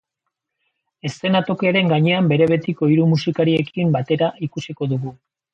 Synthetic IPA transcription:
e̞st̪e̞nat̪o̞kiaɾe̞ŋɡaɲe̞ambe̞ɾe̞β̞e̞t̪iko̞iɾumusikaɾie̞kʰimbat̪e̞ɾaʔikusiko̞ðuɣu

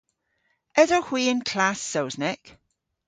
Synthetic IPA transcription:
ɛzəhwiːə̃nkʰl̥asːowznɪk

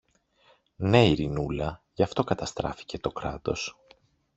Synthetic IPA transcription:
ne̞iɾinulɐʝɐft̪o̞kɐt̪ɐst̪ɾɐ̰fi̥ce̞t̪o̞kɾɐt̪o̞̰s

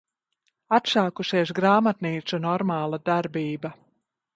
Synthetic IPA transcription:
at̪saːkuʃɛjsɡɾaːmat̪niːt̪sunɔɾmaːlˠad̪aɾbiːba

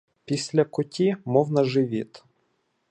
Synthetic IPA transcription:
pʲisʲlʲɐkʊtʲimɔwnɐʒɪʋʲit̪

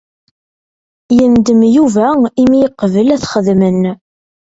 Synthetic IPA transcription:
jənd̪əmjuvæimijəqːvəlæθχəðmən

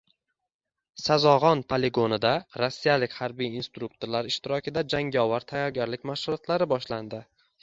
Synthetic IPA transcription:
sazɒʁɒnpʰole̞ɡo̞nɪd̪aɾasːijalɪkʲhaɾbijinst̪ɾuk̚t̪ʰoɾlaɾɪʃt̪ɪɾɒkʲʰɪd̪ad͡ʒaŋʲɒwaɾt̪ʰajɒɾɡʲaɾlɪkʲmaʃχʊlˠɒt̪laɾɪbɒʃland̪ɪ

